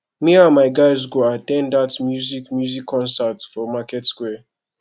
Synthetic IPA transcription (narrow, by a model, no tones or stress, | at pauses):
miamaɪɡaɪz̬ɡoatɛ̃ndatmjuzikmjuzikʰːɔ̃nsatfɔmakɛtskwɛ